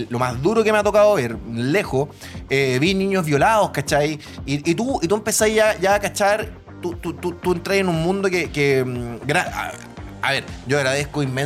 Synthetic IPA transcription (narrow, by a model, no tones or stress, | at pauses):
lomazðuɾokemeat̪o̞kaðoβeɾlexo | eβiniɲozβjo̞laðoskat͡ʃaj | iʔit̪uit̪uempesajʝaʝaːkat͡ʃaɾ | t̪ut̪ut̪ut̪ue̞nt̪ɾajenummũnd̪okekemɡɾaa̰ | a̰βe̞ɾɟ͡ʝoaɣɾaðehkoimːen